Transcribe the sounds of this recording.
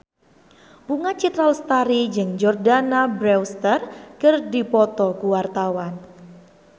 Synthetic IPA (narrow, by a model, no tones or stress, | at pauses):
puŋat͡ʃit̪ɾalst̪aɾid͡ʒɨŋd͡ʒɔrdanabɾɛwst̪ərkərdipɔt̪ɔkuwart̪awan